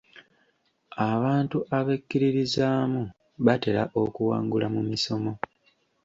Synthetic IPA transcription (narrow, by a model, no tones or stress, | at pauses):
aβaːntuʔaβekːiɾiɾizaːmu | βate̞ɾa̰ʔo̞kuwaːŋɡulamumiso̞mo̞